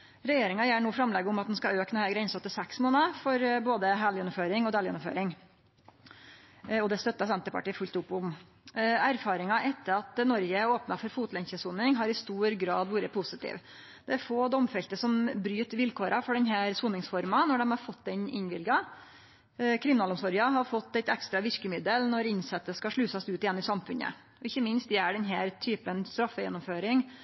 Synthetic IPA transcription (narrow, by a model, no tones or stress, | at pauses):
ɾɛjeːɾɪŋɑjælɳuːfɾɑmlɛɡəʊmɑt̪d̪ɛnskɑøːknɛhæːɾɡɾɛnsɑt̪ːəsæksmoːnəfɔɾboːd̪əɦæljɛnːʊmføːɾɪŋɔd̪ɛːljɛnʊmfø̰ːɾɪŋ | ɔd̪ɛst̪œt̪ːɑsɛnt̪əpɑ̰ʈiːəfʉlt̪ʊpːʊm | æɾfɑːɾɪŋɑʔɛt̪ːəɾɑt̪nɔɾɡəoːpnɑfɔɾfuːt̪lɛnçəsuːnɪŋɦɑɾɪst̪uːɾɡɾɑːd̪ʋuːɾəpʰʊsət̪ḭːʋ | d̪̥ɛæɾfoːd̪ɔmfɛlt̪əsɔmbɾyːt̪ʋɪlkʰoːɾʔɑfɔɖɛnɦæːɾsuːnɪŋsfɔɾmɑnɔɖɛmhɑɾfɔt̪ːd̪ɛnɪ̰nʋɪlɡɑ | kʰɾɪmɪnɑːlʊmsɔɾjɑɦɑɾfɔt̪ːæɪt̪ɛkst̪ɾɑʋɪɾkəmɪd̪əlnɔɾɪnsɛt̪ːəskɑʂɭʉːsɑsʉːt̪ɪjɛnːɪsɑmfʉnə̰ | ʔɔɪçːəmɪnst̪d̪ɛæɖɛnɦæːɾt̪ʰyːpənst̪ɾɑfːəjɛ̰nːɔmføːɾɪŋ